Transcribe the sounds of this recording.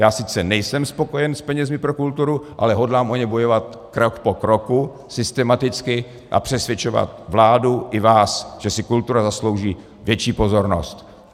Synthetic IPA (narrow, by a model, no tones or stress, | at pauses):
jaːsɪt͡sɛnɛjsɛmspo̞ko̞jɛnspɛɲɛzmɪpɾokult̪uɾuʔa̰lɛɦo̞dlaːmʔoɲɛbo̞jo̞vat̪̚ | kɾokpokɾoku | sɪst̪ɛmat̪ɪt͡skɪ | ʔa̰pr̥ɛsvjɛt͡ʃova̰t̪vlaːduʔɪvaːsʒ̥ɛsɪkult̪uɾazaslo̞wʒiː | vjɛt͡ʃiːpo̞zo̞ɾno̞̰st̪